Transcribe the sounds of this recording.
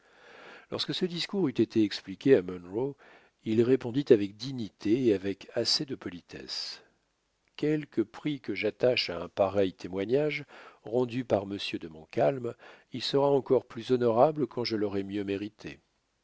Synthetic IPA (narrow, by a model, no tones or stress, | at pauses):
lɔ̰ʁskəsəd̪iskuʁyt̪et̪ʰeɛksplikʲeamɔnʁo | ilʁepɔ̃d̪it̪avɛk̚d̪iɲit̪ʰeːavɛkased̪əpɔlit̪ʰɛ̰s | kʲɛlkəpχikəʒat̪aʃaɛ̃paʁɛjt̪ʰemwaɲaʒʁɑ̃d̪ypaʁməsjød̪əmɔ̰̃kalm | ilsəʁaɑ̃kɔʁplyzɔnɔʁabləkʰɑ̃ʒəlɔʁɛmjømeʁit̪ʰḛ